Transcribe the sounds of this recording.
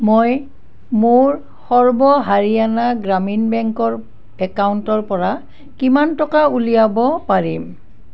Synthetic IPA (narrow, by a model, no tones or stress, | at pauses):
moj | mʊɹ | xɔɹbɔɦaɹianaɡɹaminbɛŋkɔɹ | ɛkauntɔɹpɔɹa | kimantɔkaulijabɔpaɹim